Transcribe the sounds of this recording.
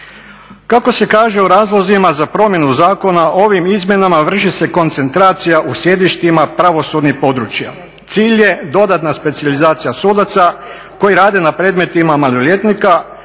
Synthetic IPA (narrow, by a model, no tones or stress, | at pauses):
kako̞se̞kaːʒeoɾaːzlˠo̞zimazapɾo̞mje̞nuzaːko̞naʔo̞ʋimizmʲje̞namaʋr̩ʃise̞ko̞nt̪se̞nt̪ɾaːt̪sijaʔusje̞d̪iʃt̪imapɾaʋo̞sud̪nixpo̞d̪ɾut͡ʃja̰ | t̪siːʎje̞d̪o̞d̪at̪naspe̞t̪sijalizaːt̪sijasuːd̪at̪sa | ko̞jiɾaːd̪e̞napɾeːd̪me̞t̪imamalolʲje̞t̪nika